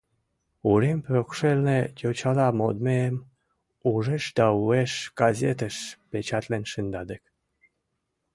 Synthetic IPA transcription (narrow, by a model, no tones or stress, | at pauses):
uɾemprokʃelnet̪ʲot͡ɕɑlɑmod̪meəm | uʒeʃd̪ɑueʃɡ̥azʲet̪əʃpet͡ɕɑt̪lenʃənd̪ɑd̪ək